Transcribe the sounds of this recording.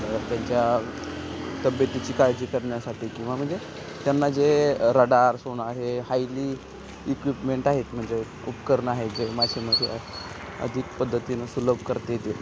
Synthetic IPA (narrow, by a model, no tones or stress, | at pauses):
ət̪jaɲt͡ɕja | t̪əbjət̪it͡ɕiːkaɾjd͡ʑiːkəɾɳjasaʈʰiːkĩw̃ʋam̤əɳd͡ze | t̪janːad͡zeɾəɽaɾsoɽ̃aɾɦehajliː | kʋipmeɳʈaɦet̪m̤əɳd͡ze | upkəɾɳaɦet̪d͡ʑemad͡ʑʰʱem̤əe | ə̰d̪ʱikpəd̪ʱːət̪inasuləbʱkəɾt̪ejet̪e